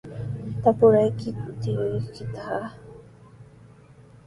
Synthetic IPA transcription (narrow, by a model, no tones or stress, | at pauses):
t̪apʊɾajkɪʊt̪ɪjʊjkɪt̪a